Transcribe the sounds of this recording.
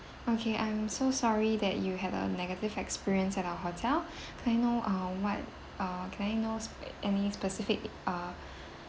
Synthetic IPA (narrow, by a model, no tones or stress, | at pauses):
ʔokʰeʔãɪ̃msosɔɹidɛtjuɦɛdə̰nɛɡətɪvɛkspiɹiə̃nsɛtawəɦotʰɛl | kʰɛ̃naɪnoʔʌ̃wɔt̚ | ʌkʰɛ̃naɪnosʔɛnispəsɪfɪk̚ʌ